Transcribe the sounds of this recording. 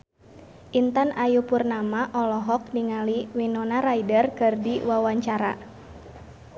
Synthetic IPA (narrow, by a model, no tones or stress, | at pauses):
ʔint̪anajupurnamaʔɔlɔɦɔk̚niŋaliwinɔnaɾaidərkɨrdiwawaɲt͡ʃaɾa̰